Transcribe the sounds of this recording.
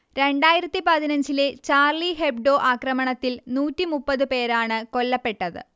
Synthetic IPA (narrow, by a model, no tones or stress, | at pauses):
ɾe̞ɳɖaːjiɾɐt̪ːipɐðinɐɲd͡ʑile̞t͡ɕaːrliɦeb̚ɖo̞ːʔaːkrɐmɐɳɐt̪ːilnuːtːimupːɐðɨpe̞ːɾaːɳɨko̞lːɐpːe̞ʈːɐðɨ̰